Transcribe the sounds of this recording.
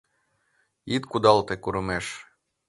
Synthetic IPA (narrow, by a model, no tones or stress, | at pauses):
it̪kud̪ɑlˠt̪ekuɾɤmeʃ